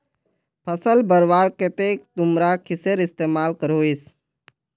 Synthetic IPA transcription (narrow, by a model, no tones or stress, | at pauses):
pʰəsəlbəɾwaːɾket̪eːk̚t̪ʊmɾakʰɪseɾɪst̪eːmaːlkəɾoːis